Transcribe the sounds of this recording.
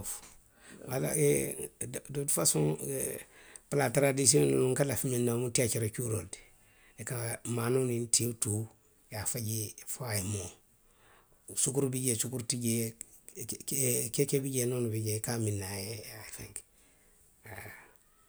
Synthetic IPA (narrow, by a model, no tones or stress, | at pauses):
f | wala̰e | dotfasuŋ | platɾadis̬ionuluŋkalafiminːamutiat͡ʃiɾat͡ʃuɾold | ekamanunintiutu | jafaɟifajimo | sukuɾbiɟesukuɾtiɟe | kekebiɟenonubiɟekaminːajejafeŋk | a